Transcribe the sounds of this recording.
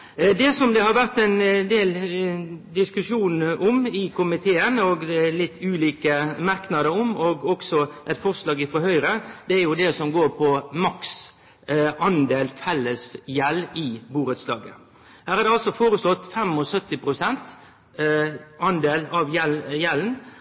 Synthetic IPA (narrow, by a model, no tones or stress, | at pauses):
d̪ɛsɔmd̪ɛhɑɾʋæɾt̪ɛɪnd̪eːl | d̪ɪskʉʂuːnʔɔmɪkʊmɪt̪ʰeːənɔɡd̪ɛlɪt̪ʰːʉːliːkəmɑɾknɑd̪əɾɔmɔɡɔksɔʔɛt̪fɔɾslɑːɡɪfɔɾɦœʏɾəd̪̥ɛæɾjʊd̪ɛsɔmɡoːɾpʰɔmɑks | ɑnd̪eːlfɛlːəsjɛlɪbuːɾət̪slɑːɡə̰ | hæːɾæɾd̪ɛɑlsɔfoːɾəslɔt̪ːfɛmɔsœt̪ːɪpɾʊsɛnt̪ | ɑnd̪eːlɑʋjɛjɛln̩